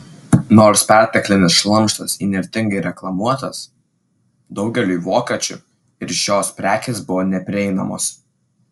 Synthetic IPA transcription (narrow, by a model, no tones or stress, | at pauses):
noːɾspʲæˑɾʲt̪ʲɛklʲɪnʲɪsʃlˠɐmˑʃt̪ɐsiːnʲɛɾʲt̪ʲɪŋɡɐɪɾʲɛklˠɐmuɔt̪ɐs | d̪ɒʊɡʲɛlʲuːiʋoːkʲɐt͡ʃʲʊ | ɪɾʃʲoːspʲɾʲæːkʲeːsbʊʋoːnʲɛpʲɾʲɪɛɪnɐ̰mo̰ːs